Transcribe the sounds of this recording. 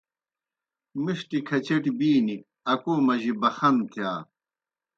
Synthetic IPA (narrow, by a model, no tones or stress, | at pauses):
miɕʈikʰɐt͡ɕeʈibiːni | ɐkoːmɐʑibɐxɐmt̪ʰjaː